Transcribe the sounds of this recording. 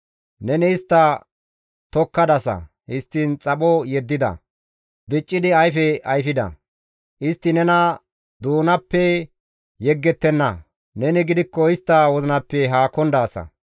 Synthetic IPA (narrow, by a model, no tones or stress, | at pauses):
nɛnɛɪst̪ːɐ | t̪ɔkːɐd̪ɐsɐ̰ | hɪst̪ːint͡sʼɐɓɔjɛd̪ːɪd̪ɐ̰ | b̪ɪt͡ʃʼːɪd̪ɪɐjfɛɐjfɪd̪ɐ̰ | ʔɪst̪ːɪnɛnɐ | d̪uːnɐpːɛ | jɛɡːɛt̪ːɛnːɐ̰ | nɛnɪɡɪd̪ɪkːɔɪst̪ːɐwɔzɪnɐpːɛɦaːkɔnd̪aːsɐ̰